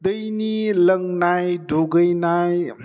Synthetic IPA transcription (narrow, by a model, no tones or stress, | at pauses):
d̪ʌjniləŋnajɖʱoɡəjnaj